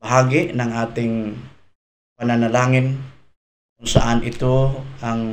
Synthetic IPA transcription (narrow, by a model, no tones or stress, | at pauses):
bɐɦaːɡɪʔnɐŋʔaːt̪ɪŋ | pananalaːŋɪn | kʊŋsa̰ʔanʔɪt̪oaŋ